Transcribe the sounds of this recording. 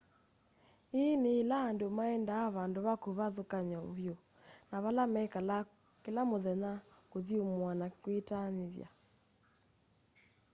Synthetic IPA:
eneːlaːndomaɛndaːβandoβakoβaðokaɲaoβjo | naβalamɛk | kelamoðɛɲakoðiomwanakwetaneðja̰

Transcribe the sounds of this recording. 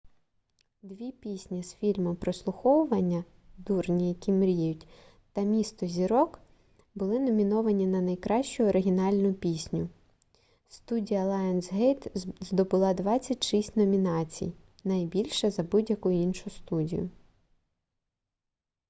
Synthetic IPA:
d̪ʋʲipʲisʲnʲisfʲilʲmɔmpɾɔslˠʊxɔwʊʋɐnʲːɐ | d̪urnʲijɐkʲimɾʲijʊtʲ | t̪ɐmʲist̪ɔzʲiɾɔk | bʊlˠɪnɔmʲinɔʋɐnʲinɐnɐjkɾɑʃt͡ʃʊɔɾɪɦʲinɑlʲnʊpʲisʲnʲʊ | st̪udʲijɐlˠɑjɛnsɦejt̪zd̪ɔbʊlˠɑd̪ʋɑt͡sʲːɐtʲʃisʲtʲnɔmʲinɑt͡sʲḭj | nɐjbʲilʲʃɛzɐbudʲjɐkʊjʊinʃʊst̪udʲḭjʊ

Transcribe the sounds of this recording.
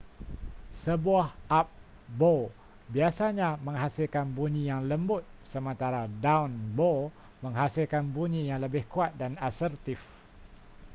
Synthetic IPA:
səbuahap̚ | bo | biasaɲãmə̃ŋɦasɪlkanbuɲĩjaŋləmbʊt̪̚səmə̃nt̪aɾadawnbo | mə̃ŋɦasilkanbuɲĩjaŋləbɪhkuat̪̚danasərt̪if

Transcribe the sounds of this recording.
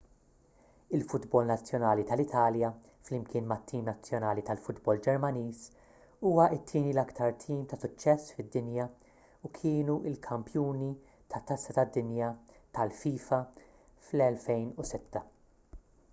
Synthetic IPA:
ɪlfʊd̪bɔlnɐt͡sːjɔnɐːlit̪ɐlɪt̪ʰɐːljɐ | flɪmkʰɪːnmɐt̪ːiːnmnɐt͡sːjɔnɐːlit̪ɐlfʊd̪bɔld͡ʒɛɾmɐniːs | uːwɐʔɪt̪ʰːɪːnilɐkt̪ʰɐɾt̪ʰiːmt̪ɐsʊt͡ʃːɛsːfɪd̪ːɪnjɐ | ukʰɪːnuʔɪlkʰɐmpjuːni | t̪ʰɐt̪ːɐsːɐt̪ɐd̪ːɪnjɐt̪ɐlfiːfɐ | flɛlfɛjnusɪt̪ːɐ

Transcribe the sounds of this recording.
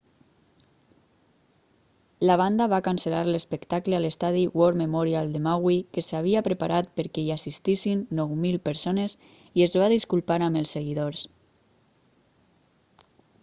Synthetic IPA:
laβ̞and̪aβakanselaɾlespəkt̪akləalest̪aðiwɔɾmemɔɾialˠd̪emawikesaβ̞iapɾepaɾʔat̪̚pəɾkɛiasist̪isinːɔwmilˠpəɾsonez | iezβaðiskulˠpaɾaməlˠsːeɣiðoɾs

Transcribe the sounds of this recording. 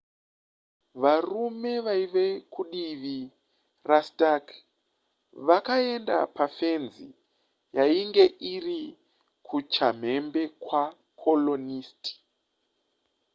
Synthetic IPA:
ʋarume̞ʋaiʋe̞kʰuɗiʋi | rastak | ʋakae̞nda̰pafe̞nzi | jaiŋɡe̞ʔiri | kʰut͡ʃam̤e̞mbe̞kwa | kʰolo̞niːsti̥

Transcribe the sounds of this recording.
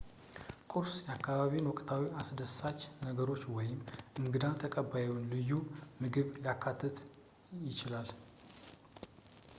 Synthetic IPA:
kʼuɾsjɛakːaβaβinwɔkʼt̪ʰawiʔasd̪əsat͡ʃːnəɡəɾot͡ʃːwɔjɪmʔɨŋɡɨd̪at̪ʰəkʼəbajɛwnlɨjːumɨɡɨβjakʰːat̪ʰːɨt̪ | jɪt͡ʃɪlal

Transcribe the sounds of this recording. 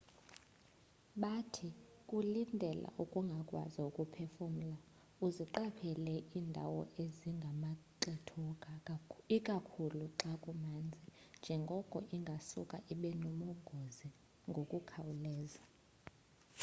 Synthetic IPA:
ɓatʰi | kʼulindʱɛla̰ʔukʼuŋɡʱakʼwa̰zaukʼupʰɛfɔm̩la | uziǃapʰɛlɛiːndʱa̰wɔ̰eziŋɡʱamaǃitʰɔ | ikʼakʰuluǁakʼumaːnd͡zʱind͡ʒʱɛŋɡʱɔkʼɔʔiŋɡʱasukʼaʔiɓɛnɔmɔŋɡʱozi | ŋɡʱokʼukʰawulɛːza

